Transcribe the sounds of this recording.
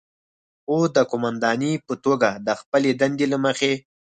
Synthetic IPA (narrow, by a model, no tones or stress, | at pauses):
od̪əkʊmand̪ɑnipət̪oɡad̪əxpəled̪and̪elaməxe